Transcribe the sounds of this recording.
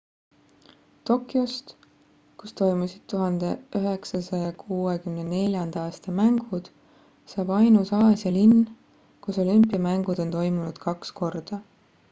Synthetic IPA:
t̪o̞kːˑjost̪ | kust̪o̞jmusid̪̥̚t̪ːuɦɑnd̪̥e̞ʔyɦe̞ksɑsɑjɑkʰuːekymnene̞lʲjɑnd̪̥ɑɑːst̪ɑmæŋɡ̥ud̪̥ | sɑːb̥ɑjnusɑːsjɑlinː | kuso̞lympːˑiɑmæŋɡ̥ud̪o̞nt̪o̞jmunud̪̥kɑksko̞rd̪̥ɑ

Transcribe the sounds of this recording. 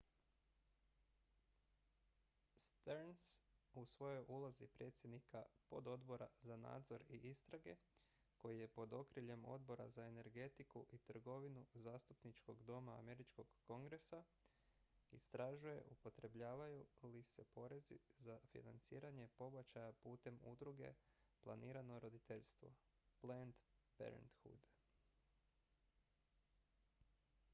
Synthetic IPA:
st̪eɾnsusʋo̞jo̞jʔulˠazipɾʔe̞t̪sʲjed̪nikapo̞d̪o̞d̪bo̞ɾazana̰ːd̪zo̞ɾiʔist̪ɾaɡe̞ | ko̞jije̞po̞d̪o̞kɾiʎe̞mo̞̰d̪̚bo̞ɾa̰zae̞ne̞ɾɡe̞t̪ikuʔit̪r̩ɡo̞ʋinuzaːst̪upnit͡ʃko̞ɡd̪o̞ma̰ːme̞ɾit͡ʃko̞ɡ̥ːo̞ŋɡɾe̞sa | ist̪ɾaʒuje̞̰ʔupo̞t̪ɾe̞bʎaːʋajulise̞po̞ɾe̞zḭzafḭna̰nt̪siːɾaɲe̞po̞bat͡ʃajapuːt̪e̞mṵd̪ɾuɡe̞̰plˠa̰niːɾanoɾo̞d̪it̪eʎst̪ʋo̞̰ | plent̪pḛɾḛnt̪xṵd̪

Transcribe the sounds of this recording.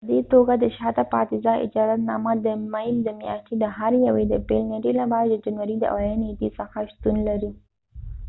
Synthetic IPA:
pəd̪et̪oɡad̪əʃɑt̪apɑ̰t̪ɪzɑʔɪ̰d͡ʒɑzat̪nɑmad̪əmajld̪əmjɑ̰ʃʈ̪ed̪əɦaɾjawed̪əpelneɖelabɑjad̪d̪ːəd͡ʒanwaɾid̪ə̰ʔa̰wajand̪isəxaʃt̪unlaɾi

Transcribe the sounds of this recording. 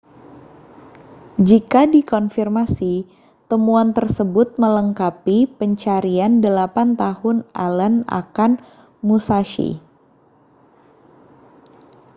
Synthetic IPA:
d͡ʒikadikɔnfirmasi | t̪əmuant̪ərsəbʊt̪̚mələŋkapipəɲt͡ʃaɾiandəlapant̪ahʊnʔa̰ləna̰kan | musaʃḭ

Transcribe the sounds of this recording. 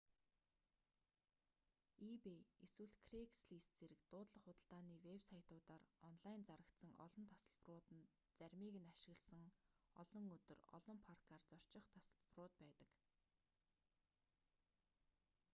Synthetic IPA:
ipeeswɘ̆ɮkʰreksɮiːst͡seɾɘ̆kt̪ʊːt̪ɮə̆χʊt̪ə̆ɬt̪aːniːwepsajʰt̪ʊːt̪aːrɔnɮajnt͡saɾə̆kt̪sə̆ŋɔ̰ɮɞ̆nt̪ʰḁsə̆ɮp̆rʊːt̪ə̆n | t͡sæɾʲmiːɣɘ̆naʃɪ̆ɣə̆ɮsə̆ŋɔ̰ɮɞ̆ŋɵt̪ɵ̆rɔ̰ɮɞ̆mpʰarkʰaːrt͡sɔr̥t͡ɕɪ̆χt̪ʰasə̥̆ɮprʊːt̪̚pæːt̪ə̆k

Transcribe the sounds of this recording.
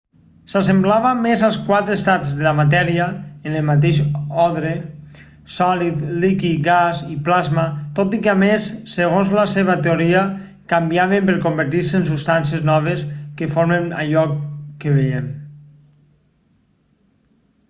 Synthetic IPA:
sas̬emblaβamezalˠskwat̪ɾest̪azðelamat̪̬ɛɾiaenəlmat̪eʃɔðɾe | sɔlit̪likiɡaziplazmat̪ot̪ikeamesːeɣ̞onzlaseβat̪eoɾia | kambiaβempeɾkombəɾt̪iɾseːnsust̪ansieznɔβ̞eskefoɾmena̰ʎɔkːeβeʎem

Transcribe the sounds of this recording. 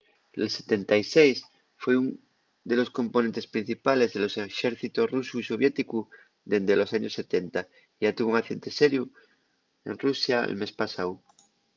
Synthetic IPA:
elset̪e̞nt̪ajsejs | fweun | d̪e̞lo̞skõ̞mponent̪espɾin̟θipale̞zðelo̞seʃeɾθit̪orusuiso̞β̞je̞t̪iku | ðend̪elo̞saɲosːe̞t̪ent̪a | ʝat̪uβuŋaθje̞nt̪e̞seɾju | e̞̰nrusjaḛlme̞spasaw

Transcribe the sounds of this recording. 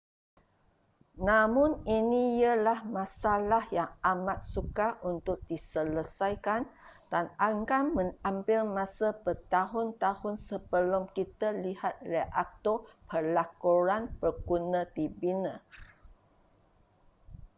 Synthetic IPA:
nãmʊ̃ninĩjəlahmãsalahjaŋamãt̪̚sukaʔunt̪ʊk̚disələsajkandanaŋkamə̃ŋambɪlmãsəpət̪aɦʊnt̪ahʊnsəbəlʊmkit̪əlihat̪̚reʔak̚t̪ɔpəlakɔɾanpərkunə̃d̪ibinə

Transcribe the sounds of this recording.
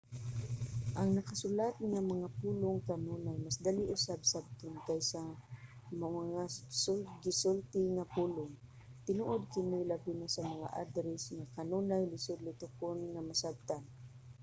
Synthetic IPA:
ʔɐŋnɐkasʊlat̪̚ŋamɐŋapuːlʊŋkanunajmasd̪aliʔʊsab̚sab̚t̪ʊnkajsa | maaŋasʊɡɪsʊlt̪ɪŋapuːlʊŋ | t̪ɪnuʔod̪̚kɪnɪlabinasamɐŋa̰ʔa̰d̪ɾɛsŋakanuːnajlɪsʊd̪lɪt̪ʊkonŋamasab̚t̪an

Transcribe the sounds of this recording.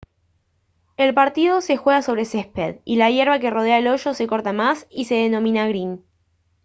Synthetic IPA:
e̞lpaɾt̪iðo̞sexwe̞ɣaso̞β̞ɾe̞sespeðilajeɾβake̞ro̞ð̞eaelo̞ʃo̞se̞ko̞ɾt̪amasise̞ðenõ̞mĩnaɣɾin

